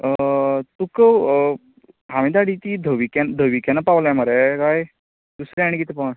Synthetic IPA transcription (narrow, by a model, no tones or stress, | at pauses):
ət̪ukəw | ɦamĩd̪aɽit̪id̪ʱəʋikɛnd̪ʱəʋikɛnapawlaməɾɛkaj | d̪̥usɾɛaɽ̃ikit̪epawn